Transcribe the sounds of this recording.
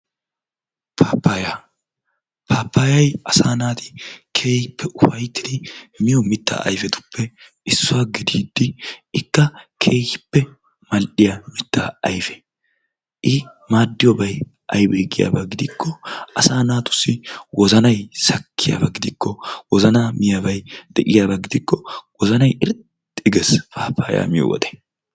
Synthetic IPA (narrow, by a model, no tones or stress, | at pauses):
pʰaːpːaja | pʰaːpːaːjɐjɐsaːnaːt̪ɪ̥kʰeːhɪpːɛʔʊfɐjt̪ːɪd̪ɪmɪjɔmɪt̪ːa̰ːɐ̰jfɛt̪ʊ̥pʰːɛ | ɪsːʊwaːɡɪd̪iːd̪ːɪɪkːɐkʰeːhɪpːɛ | mɐlɗɪjɐmɪt̪ːaːɐjfɛ̥ | ʔɪ | maːd̪ːɪjɔbɐj | ʔɐjbeːɡɪja̰ːbɐɡɪd̪ɪkʰːɔʔɐsaːnaːt̪ʊ̥sːɪwɔzɐnɐjsɐkʰːɪja̰ːbɐɡɪd̪ɪkːɔwɔzɐnaːmɪjabɐjd̪̥ɛʔɪjaːbɐɡɪd̪ɪkːɔwɔzɐnɐjɪɾ | ɪɡɛsfaːpːaːja̰ːmɪjɔ̰wɔ̰d̪ɛ̥